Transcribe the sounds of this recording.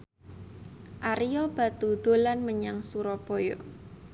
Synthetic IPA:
ʔaɾijɔb̥ä̤t̪ud̪̥o̤lanməɲaŋsuɾɔb̥ojo

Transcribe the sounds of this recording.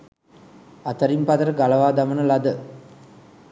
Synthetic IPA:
ɐt̪ɐɾimpɐd̪ɐɾɐɡɐlɐʋaːd̪ɐmɐnɐlɐd̪ə

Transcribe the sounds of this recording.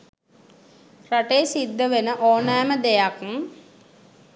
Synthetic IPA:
raʈejːsid̪ːəʋenəʔoːnaːməd̪ejakm

